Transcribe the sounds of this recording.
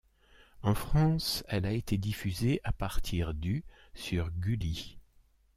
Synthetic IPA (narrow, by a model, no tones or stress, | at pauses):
ɑ̃fχɑ̃sɛlaet̪ʰed̪ifyzeʔapaʁt̪ʰiʁd̪y | syʁɡʲyli